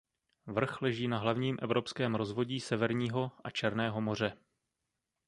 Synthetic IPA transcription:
vr̩xlɛʒiːnaɦlavɲiːmʔɛvɾʔo̞pskɛːmɾo̞zvo̞ɟiːsɛvɛɾɲiːɦo̞ʔat͡ʃɛɾnɛːɦo̞mo̞r̝ɛ

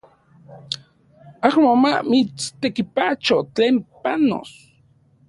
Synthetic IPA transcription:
ahmomamit͡st̪ekipat͡ʃot͡ɬeːmpano̰s

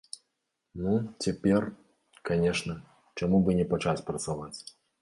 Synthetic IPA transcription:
nut͡sʲapʲɛr | kanʲɛʂnɐ | t͡ʂamubɨnʲɛpat͡ʂasʲpɾɐt̪savat͡sʲ

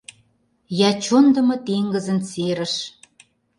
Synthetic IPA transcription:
jɑt͡ɕond̪ə̆mɤ̆t̪eŋɡə̆zə̆nt͡seɾə̆ʃ

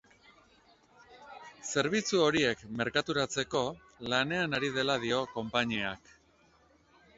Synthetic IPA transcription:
se̞ɾβ̞it͡suo̞ɾie̞kme̞ɾkat̪uɾat͡se̞ko̞ | lane̞anaɾið̞e̞lað̞io̞ko̞mpaɲiak

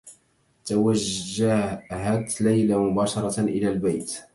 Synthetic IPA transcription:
t̪awaʒːaɦat̪lajlamʊbɑːʃɑɾˤɑʔɪ̰laːlbajt̪

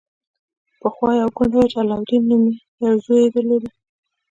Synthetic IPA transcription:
pəxwɑjawɡʊɳɖajt͡ʃalɑwɾinːumijazojed̪əled̪i

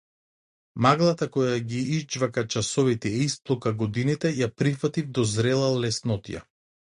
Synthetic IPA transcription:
maɡlˠat̪akɔjaɡiizd͡ʒvakat͡ʃasɔvit̪ɛisplˠukaɡɔd̪init̪ɛjapɾifat̪ivd̪ɔzɾɛlˠalɛsnɔt̪ḭja̰

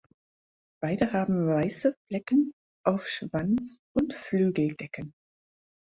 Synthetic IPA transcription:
b̥aɪdəhaːbm̩vaɪsəflɛkən̩ | ʔaʊfʃv̥ant͡sʔʊntflyːɡl̩dɛkən

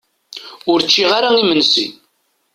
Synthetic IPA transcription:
ʊɾt͡ʃːiʁaɾaimənsḭ

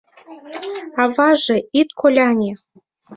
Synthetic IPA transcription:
ɑvɑʐɤ̆it̪kʰolʲɑnʲe

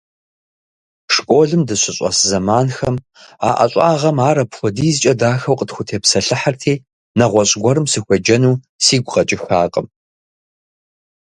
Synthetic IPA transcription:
ʂkʷʼoːɮɨmdɨɕʷɪɕʼɐ̰sɨzɐmaːnxɐm | a̰ːʔɐ̰ɕʼaːʁɐmaːɾɐpxʷɔdiːjzt͡ʃʼɐdaːxɐwqʼətxʷʊtʰeːpsɐɬɨħartʰiː | nɐʁʷɔɕʼɡʷɔɾɨmsɨxʷɔd͡ʒɐnuː | siːɡʷqʼɐt͡ʃʼɪxaːqʼəm

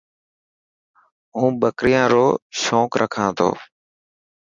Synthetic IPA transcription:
ɦũːɓəkɾɪjãːɾoːʃoːkɾʔəkʰãːt̪ʰo̰ː

